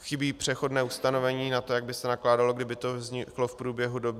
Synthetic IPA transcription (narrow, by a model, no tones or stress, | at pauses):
xɪbiːpr̥ɛxo̞dnɛːust̪ano̞vɛɲiːnat̪ojaɡ̚bɪsɛnaklaːdalo̞ɡdɪbɪt̪o̞vzɲɪklofpɾuːbjɛɦudo̞bɪ